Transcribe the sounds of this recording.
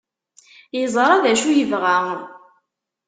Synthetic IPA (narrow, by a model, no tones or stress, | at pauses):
jəzˤɾˤaðæʃujəvʁa